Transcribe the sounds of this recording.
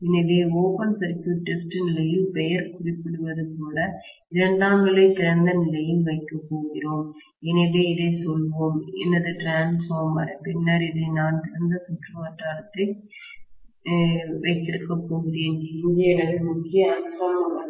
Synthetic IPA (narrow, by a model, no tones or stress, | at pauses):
ɛnɪʋeːoːpɐnsɐɾkjuːʈːɪsʈɯnɪlɐjɪlpɛjɐɾkʊrɪpːɪɽɯʋɐðɯpoːlɐ | ɪɾɐɳɖaːŋɡɐɭɐɪt̪ɪɾɐnd̪ɐnɪlɐjɪlʋɐɪkːɐpːoːɣɪroːm | ɛnɪʋeːɪðɐɪsɔlːʋoːmɛ̰nːɐðɯʈɾaːnsfaːɾma̰ːɾɐpɪnːaɾɪðɯnaːnt̪ɪɾɐnd̪ɐsʊʈrɯʋɐʈːaːɾɐt̪ːɐɪ | ʋɐɪt̪ːɪɾɯkːɐpːoːɣɪɾeːnɪnd̪ɪjɐnɐðɯmʊkːɪjɐːɾsaːmɐɐ